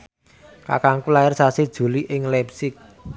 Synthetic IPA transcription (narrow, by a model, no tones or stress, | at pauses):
ka̰kaŋkulaɪrsasid̥ʒ̥ṳliʔɪŋlɛpsɪk̚